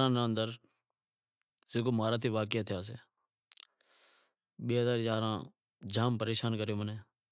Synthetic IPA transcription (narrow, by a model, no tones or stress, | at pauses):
ɾãːnəənd̪əɾ | zeːkoːmaːɾaːt̪ʰiːʋaːk̬ɪət̪ʰɪjaːs̬ḛː | ɓeːɦəzaːɾjaːɾãː | d͡ʒaːmpəɾeːʃaːnkəɾjoːmənẽː